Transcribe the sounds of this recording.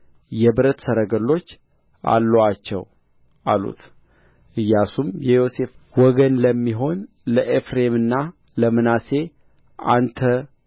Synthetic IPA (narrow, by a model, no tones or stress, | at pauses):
jɛbɨɾət̪səɾəɡəlːo̞t͡ʃː | ʔa̰lːəwat͡ʃːɛ̰w | ʔa̰lṵt̪ | ʔɨjːasumjɛjo̞se̞fwɔɡənləmːiɦo̞n | ləʔefɾe̞mɨnːa | ləmɨnase̞ | a̰nt̪ʰə